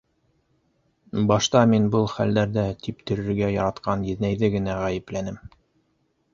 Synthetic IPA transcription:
bɑʃt̪ɑminbɤlˠχæld̪æɾðæt̪ip̚t̪ɵ̆ɾɘ̆ɾɡæjɑɾɑt̪qɑnjɘ̆ðnæjðɘɡɘ̆næʁæjɘ̆plænɘm

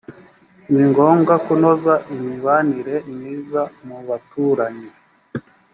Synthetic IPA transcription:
niŋɡoŋɡakunozaʔimiβaniɾemiːzamuβatuːɾaɲi

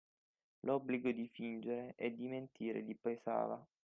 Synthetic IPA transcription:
lʔɔbliɡod̪ifind͡ʒeɾeʔɛd̪ːiment̪ʰiːɾḛd̪ipesa̰ːva

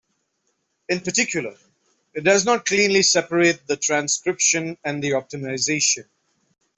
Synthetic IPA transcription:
ɪ̃npəʈɪkʰjʊlˠə | ɪt̚ɖʌznɔːʈ̚klĩːnlisɛpəɾeːt̚d̪əʈʰɾæ̃nskɾɪpʃə̃næ̃nd̪iɔp̚ʈɪmaɪzeːʃə̃n

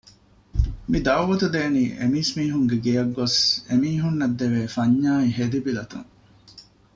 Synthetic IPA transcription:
mid̪ɐwʋɐt̪ud̪eːniːʔḛmiːsmiːɦuŋɡeɡejɐɡːosemiːɦunːɐd̪ːeʋeːfɐɲːaːiɦed̪ibilɐt̪ṵŋ

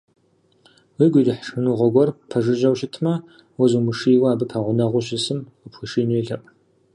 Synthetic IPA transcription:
wiːɡʷiːdɨħʂɨnuʁɔɡʷɔrpʰɐʐɨʑɐwɕɪtʰmɐ | wɐzuːmɨʂiːwaaːbɨpʰɐʁʷʊnɐʁʷʊɕɪsɨmʷ | ʊpʰxɨʃʂiːneːɮɐpʼ

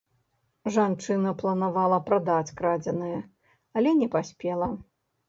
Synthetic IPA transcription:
ʐant͡ʂɨnɐplˠɐnavalˠɐpɾad̪at͡sʲkɾad͡zʲɛnɨjɛ | ɐlʲɛnʲɛpasʲpʲɛlˠɐ

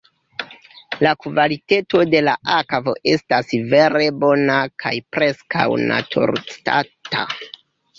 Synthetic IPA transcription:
lakvaliteto̞de̞laʔakvo̞̰ʔe̞stasve̞ɾe̞bo̞nakʰa̰jpɾe̞skʰa̰wna̰tʰṵɾt͡sta̰ta̰

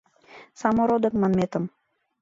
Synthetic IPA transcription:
sɑmoɾod̪ə̆kmɑnmet̪ə̆m

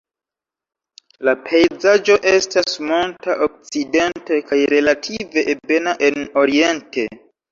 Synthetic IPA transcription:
lapʰejd͡zad͡ʒo̞ʔe̞stasmoltaʔok̚t͡side̞nte̞kajɾe̞latʰive̞be̞naʔe̞no̞ɾie̞nte̞

